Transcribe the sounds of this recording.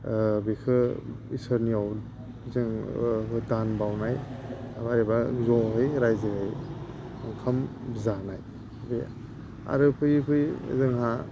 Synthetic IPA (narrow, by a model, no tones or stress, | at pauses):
bikʰɯ | isɯɾniaw | zɯŋɦɯdanbawnajbaɾibazɔɦɯjɾajziɦɯj | ŋkʰambzanaj | bḭ | a̰ɾɯpʰɯjpʰɯj̰zɯŋɦa